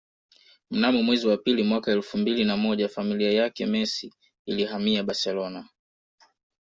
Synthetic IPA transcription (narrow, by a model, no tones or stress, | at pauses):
m̩namɔmwɛziwapilimwakaɛlfumbilinamɔʄafamiliajakɛmɛsi | ilihamiaɓasɛlɔna